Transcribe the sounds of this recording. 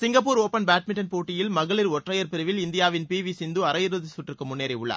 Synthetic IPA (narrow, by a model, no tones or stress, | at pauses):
sɪŋɡɐpːuːɾoːpːɐnbaːʈ̚mɪɳʈɐnpoːʈːɪjɪlmɐɣɐɭɪɾɔʈrɐjɐɾpɪɾɯʋɪlɪnd̪ɪjaːʋɪnpiːʋisɪnd̪ɯɐɾɐjɪɾɯðɯsʊʈːrɪɾkːɯmʊnːeːɾɐɪʊɭːɐ̰